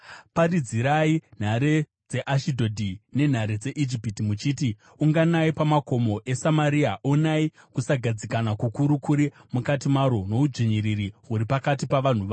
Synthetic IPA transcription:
parid͡ziɾain̤aɾe | d͡ze̞ʔaʃidʱo̞dʱine̞n̤aɾed͡zeʔid͡ʒipitimut͡ʃiːti | uŋɡanaipamako̞mo̞ʔe̞samaɾiaʔonai | kusaɡʱad͡zikanakukuɾukuɾimukatimaɾono̞ud͡ʒiɲiɾiriɦuɾipakatipaʋan̤uʋa

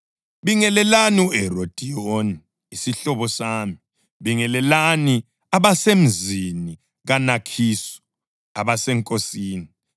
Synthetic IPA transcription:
βiŋɛlɛlaniɛrod̥ʱijoniː | siɬɔβɔsaːmi | βiŋɛlɛlani | aβasem̩zini | ɣanakʰisɔ̥ | aβasɛŋkʼosiːni

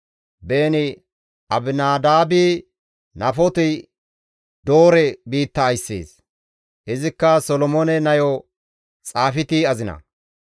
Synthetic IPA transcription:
beːnɪ | ʔɐbɪnaːd̪aːbi | nɐfɔt̪ɪ | d̪oːɾɛbiːt̪ːɐːjsːḛːs | hɪzɪkːɐsɔlɔmɔnɛnɐjɔ | t͡sʼaːfɪt̪iɐzɪnɐ̰

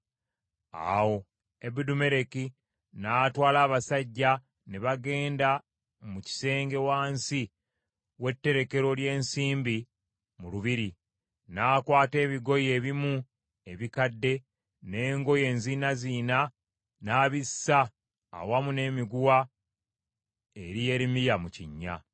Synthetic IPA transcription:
a̰wo̞ | ebudume̞ɾe̞ki | naːtwaːlaːβasaɟːa | neβaɡe̞ːnda | muci̥se̞ːŋɡe̞waːnsi | we̞tːe̞ɾe̞ke̞ɾo̞lje̞ːnsiːmbi | muluβiɾi | naːkwaːte̞ːβiɡo̞je̞ːβimu | e̞βikadːe̞ | ne̞ːŋɡo̞je̞ːnzinaziːna | naːβissa̰ː | wamune̞ːmiɡuwa | e̞ɾije̞ɾimijamucḭɲːa̰

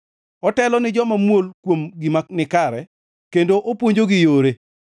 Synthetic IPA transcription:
ɔtɛlɔnɪd͡ʒɔmamwolkwomɡɪmanɪkaɾɛ | kendoʔopwoɲd͡ʒoɡɪjoɾe

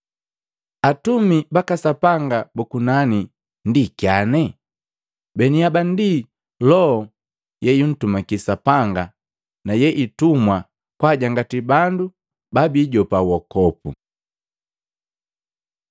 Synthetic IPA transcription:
atumibakasapaŋɡabukunani | ndikjanɛ | bɛniabandi | lɔɔ | jɛjun̩tumakisapaŋɡa | najɛʔitumwa | kwaɟaŋɡatibandu | babiɟɔpawɔkɔpṵ

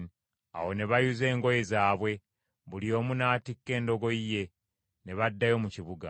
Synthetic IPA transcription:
a̰wo̞ne̞βajuze̞ːŋɡo̞je̞zaːβwe̞ | βulio̞ːmunaːtikːe̞ːndo̞ɡo̞ije̞ | ne̞βadːajo̞muciβuɡa̰

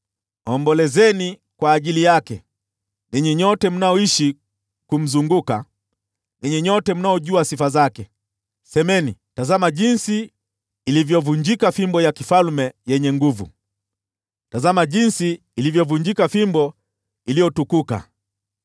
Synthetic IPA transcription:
ɔmbɔlɛzɛni | kwaːʄilijakɛ | niɲɛɲɔtɛm̩naɔiʃi | kum̩zuŋɡuka̰ | niɲɛɲɔtɛm̩naɔʄuasifazakɛ | sɛmɛnitazamaʄinsiː | livjɔvuɲd͡ʒikafimbɔjakifalmɛjɛɲɛŋɡuvṵ | tazamaʄinsiː | livjɔvuɲd͡ʒikafimbɔ | ilijɔtukuka̰

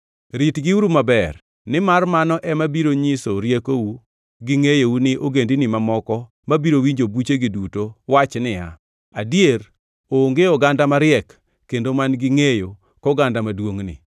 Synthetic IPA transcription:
ɾitɡɪuɾumabɛr | nɪmarmanɔʔɛmabiɾoɲɪsoɾjekowu | ɡɪŋejowunɪʔoɡendinɪmamɔkɔ | mabiɾowiɲd͡ʒobut͡ʃeɡidutowat͡ʃnɪja̰ | adijeɾ | oːŋɡeɔɡandamaɾɪjɛkː | endomanɡɪŋejo | kɔɡandamadwoŋnɪ̰

